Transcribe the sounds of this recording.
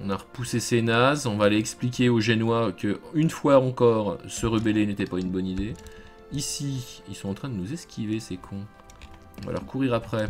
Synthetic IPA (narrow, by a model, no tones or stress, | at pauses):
ɔ̃naʁəpusesenazɔ̃vaːleɛksplikʲeoʒenwakəynfwaɑ̃kɔːʁsəʁəbɛlenet̪ɛpaynbɔnid̪e | isiilsɔ̃ɑ̃t̪χɛ̃d̪ənuzɛskʲʰivesekʰɔ̃ | a̰lɔ̰ʁkʰuʁiʁapχɛ